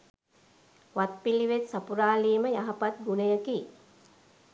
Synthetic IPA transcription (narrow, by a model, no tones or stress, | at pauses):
ʋat̪̚piliʋet̪sapuɾaːliːməjaɦapat̪̚ɡunəjəki